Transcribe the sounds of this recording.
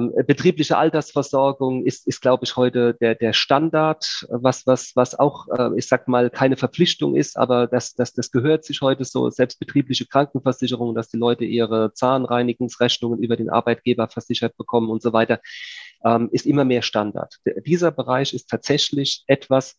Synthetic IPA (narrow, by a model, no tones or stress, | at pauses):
mbətʁ̥iːplɪçəʔa̰ltɐsfɛɐzɔɐɡʊŋɪstɪstɡ̥laʊbəɪçhɔʏtəd̥eːɐdeːɐʃtandaɐtvasvasvasa̰ʊxʔɛ̰ːɪçz̥aːkəmaːlkʰaɪnəfɛɐp͡flɪçtʊ̰ŋʔɪ̰stʔa̰ːbɐd̥asd̥asd̥asɡ̥əɦøːɐtz̥ɪçhɔʏtəzo̰ːzɛlpst̚b̥ətʁ̥iːplɪçəkʁ̥aŋk̚ŋ̩fɛɐz̥ɪçəʁ̞ʊŋənd̥asd̥iːlɔʏtəʔiːʁət͡saːlənʁaɪnɪɡʊŋsʁɛçnʊŋənʔyːbɐdeːnʔa̰ɐbaɪt̚ɡ̥eːbɐfɛɐz̥ɪçɐt̚b̥əkʰɔmənʊntz̥ovaɪtɐʔɛːmʔɪstʔɪmɐmeːɐʃtanda̰ɐtd̥iːzɐbəʁaɪçɪstʰaːtz̥ɛçlɪçʔɛtv̥as